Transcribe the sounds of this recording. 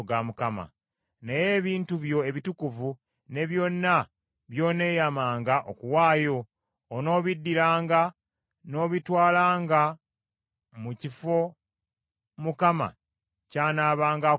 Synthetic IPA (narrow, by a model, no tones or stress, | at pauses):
ɡamukama̰ | neje̞ːβiːntuβjo̞e̞βitukuvu | ne̞βjo̞ːnːa | βjo̞ːne̞ːjamaːŋɡaʔokuwaːjo̞ː | no̞ːβidːiɾaːŋɡa | no̞ːβitwaːlaːŋɡa | mucifo̞ | mukama̰ | caːnaːβaːŋɡa